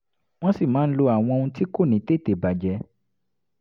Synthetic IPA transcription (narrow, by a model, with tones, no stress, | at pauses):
w̃ɔ̃˦si˦˨mãː˨˦n̩˦lo˧a˨w̃ɔ̃˧o˧ũ˧ti˦ko˦˨nĩ˨˦te˦˨te˨ba˨d͡ʒɛ˨˦